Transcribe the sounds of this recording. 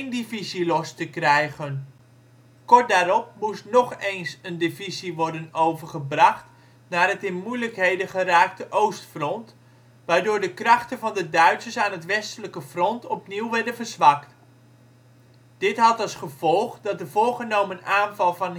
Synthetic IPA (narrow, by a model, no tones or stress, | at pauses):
ndɪvizilɔstəkrɛjχən | kɔrt̚daːɾɔp̚mustnɔχejnsəndɪviziʋɔɹdənowvəɹχəbrɑχt | naːrɦətɪnmujləkɦejdəχəraːktəʔowstfrɔnt | ʋaːɹdʊːɹdəkrɑχtənvɑndədœɥtsəsaːnɦətʋɛstələkəfrɔntɔpniwʋɛɹdəvərzʋɑkt | d̥ɪtɦɑtɑlˠsχəv̥ɔlˠχdɑt̚dəvʊːɹχənowmənaːnvɑlˠvɑn